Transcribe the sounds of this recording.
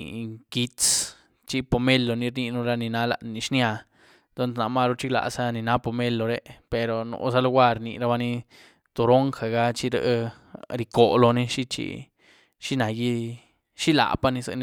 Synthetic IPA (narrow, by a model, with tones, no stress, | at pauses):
ki˧tt͡s | t͡ʃi˦po˧˨me˦lːo˨ni˧ɾni˧nu˧ɾa˧ni˧na˧˦la̰˨ʔnːi˧ʃnja˧ | t̪o˦nsna˨ma˦˧ɾo˧t͡ʃi˦ɡla̰˨sa˦ni˨na˦po˨me˦lːo˨˧ɾe˦pe˨ɾo˨no̰˨˦sa˦lo˧ɡʷa˦ɾni˧˨ɾa˦ba˧ni˦ | t̪o˨ɾo˦ŋxa˨ɡa˦t͡ʃi˦ɾə̰˧ʔ | ɾi˧ko˨lo˧ni˦ʃi˦t͡ʃḭ˧ | ʃi˦na˨ji˦ | ʃi˦la̰˨pa˦˧ni˧sa̰˧n˧